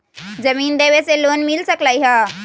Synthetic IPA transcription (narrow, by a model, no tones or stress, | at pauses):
zɐmiːnd̪eːʋeseloːnmɪlsəklaːiɦaː